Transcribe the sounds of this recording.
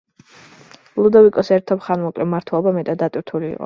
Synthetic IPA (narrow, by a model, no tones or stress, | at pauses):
lˠud̪ɔvikʼɔsɛɾt̪ʰɔpχanmɔkʼlɛmaɾt̪ʰwɛlˠɔbamɛt̪ʼad̪ːat̪ʼiɾt̪ʰulḭːqʼɔ̰